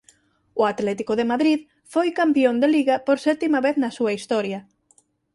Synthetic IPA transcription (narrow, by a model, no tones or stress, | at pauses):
ʊat̪lɛt̪ikʊðemaðɾið | fojkampiond̪eliɣɐpoɾsɛt̪imɐβeθnɐsuɐist̪ɔɾjɐ